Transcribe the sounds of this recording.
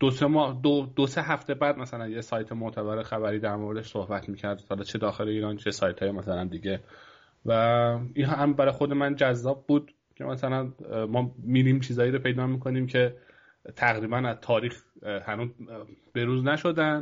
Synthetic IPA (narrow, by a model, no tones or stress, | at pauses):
d̪̥osemɒːd̪od̪oseɦæft̪e̞bæːd̪mæsælænjesɒːjt̪ʰemoʔt̪ʰæbæɾexæbæɾiːd̪æɾmoɾed̪eʃsohbæt̪ʰmiːcʰæɾd̪̥hɒlɒːt͡ʃʰe̞d̪ɒːxe̞leiːɾɒːnt͡ʃʰe̞sɒːjt̪ʰɒːjemæsælænd̪iːɟe̞ | væinɦæmbæɾɒːjxo̞d̪e̞mænd͡ʒæzːɒːb̚ːuːd̪̥ | cʰe̞̰mæsælænmɒːmiːdimt͡ʃʰiːzɒːjiɾopʰe̞jd̪ɒːmiːkʰo̞niːmcʰe̞ | t̪ʰæɣɾiːbænæzt̪ʰɒːɾiːxhænuːzbe̞ɾuːznæʃo̞d̪æn